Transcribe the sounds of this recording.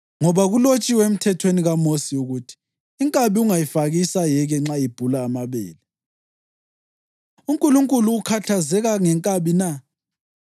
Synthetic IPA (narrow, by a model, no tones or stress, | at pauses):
ŋɔβaɣulot͡ʃʼiwem̩tʰɛtʰweniɣamosiuɣutʰi̥ː | ŋkʼaβiuŋajifaɣisajɛɣɛŋ͡ǁaib̥ʱulaːmaβɛ̰ːlɛ | uŋkʼuluŋkʼuluːkʰatʰazɛɣaŋɛŋkʼaβina